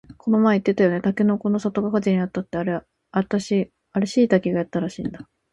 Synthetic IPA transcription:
kʰo̞no̞maeit̪ːe̞t̪ajo̞ne̞t̪akeno̞ko̞no̞sat̪o̞kakad͡ʑiɲ̟iat̪ːat̪ːeaɾe̞ | at̪aɕi | aɾɯ̟ɕiːt̪akʲiɡajat̪ːaɾaɕḭ̃ːnd̪a

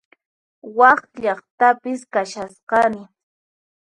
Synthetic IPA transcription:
wɑχʎɑχt̪apɪskaʃasqɑmɪ

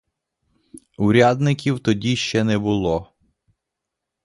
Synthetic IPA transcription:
uɾʲad̪nɪkʲiwt̪ɔdʲiʃt͡ʃɛnɛbʊlˠɔ

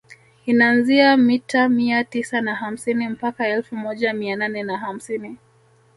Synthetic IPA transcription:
inaːnziamitamiatisanaɦam̩sinim̩pakaɛlfumɔʄamiananɛnaɦam̩sini

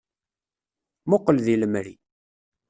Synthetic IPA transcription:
mʊqːəlðiləmɾḭ

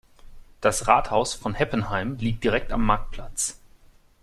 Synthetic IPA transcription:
d̥asʁaːthaʊsfɔnhɛpənhaɪmliːk̚t̚d̥iʁɛk̚tamːaɐk̚t̚pʰl̥at͡s

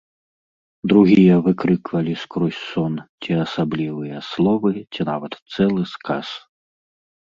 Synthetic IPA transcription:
d̪ɾuɣʲijɐvɨkɾɨkvɐlʲiskɾɔsʲsɔnt͡sʲiɐsablʲivɨjɐslˠɔvɨt͡sʲinavɐt̪sɛlˠɨska̰s

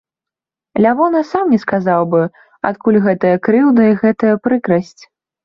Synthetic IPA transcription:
lʲavɔnɐsamnʲɛskazawbɨ | a̰t̪̚kulʲɣɛt̪ɐjɐkɾɨwd̪ɐiɣɛt̪ɐjɐpɾɨkɾɐsʲt͡sʲ

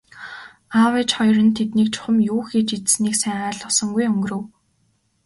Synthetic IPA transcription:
awet͡ɕχɔjrɞ̆nt̪ʰet̪niːk̚t͡ɕʰʊ̥χə̆mjuːxit͡ɕit͡ssniːksæɴaːɮə̆sɞ̆ŋɡujɵŋɡɵ̆rɵ̆w

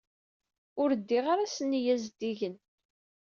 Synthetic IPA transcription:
ʊɾd̪ːiʁaɾasənːjæzd̪iʝən

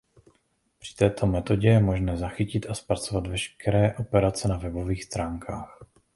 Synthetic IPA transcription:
pr̥ɪ̥t̪ɛːt̪ʰo̞mɛt̪o̞ɟɛjɛmo̞ʒnɛːzaxɪcɪt̪ʔaspɾat͡so̞vat̪vɛʃkɛɾɛːʔo̞pɛɾat͡sɛnavɛbo̞viːxst̪ɾaːŋkʰaːx

